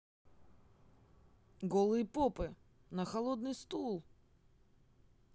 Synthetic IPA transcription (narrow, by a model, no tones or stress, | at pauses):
ɡɔlˠɨjəpɔpɨ | nɐxɐlˠɔd̪nɨjst̪ulˠ